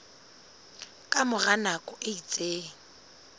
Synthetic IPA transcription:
kʼamʊranakʼɔʔɪit͡sʼeːŋ̩

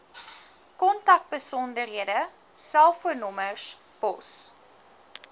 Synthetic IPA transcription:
kɔntɐk̚bəsɔndərɦiədə | sælˠfuərnɔmərs | b̥ɔ̰s

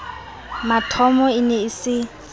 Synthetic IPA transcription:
matʰɔmɔɪnɛɪsɪ

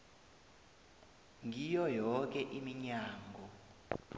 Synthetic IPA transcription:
ŋijɔjɔk̬ɛʔimiɲaːŋɡʱɔ

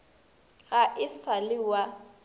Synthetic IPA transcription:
ɣaʔɪsalɪwa

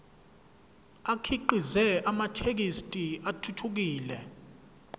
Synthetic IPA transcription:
akʰiǃizɛamatʰek̬istʼiatʰutʰuk̬iːlɛ

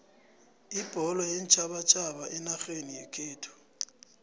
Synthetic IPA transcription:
ib̥ʱɔlɔjɛnt͡ʃʼʰaɓat͡ʃʰʼaɓaʔɛnaxenijɛkʰeːtʰɔ̥

